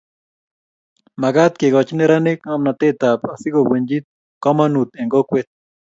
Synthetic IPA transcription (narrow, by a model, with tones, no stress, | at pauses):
ma˨ɡa˦t̪ke˨ɡɔ˨t͡ʃi˦ne˦ɾa˦ne˦ka˦mna˨t̪e˦t̪a˨pa˨si˦ɡo˨wwe˨ɲd͡ʒi˦t̪̚ | kɔ˦ma˦nu˨t̪e˨ŋɡo˦kwe˦t̪̚